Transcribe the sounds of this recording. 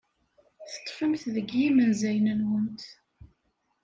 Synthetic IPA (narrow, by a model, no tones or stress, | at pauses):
θə̥t̪ˤːfəmθðəɡjimənzæjnənwənt̪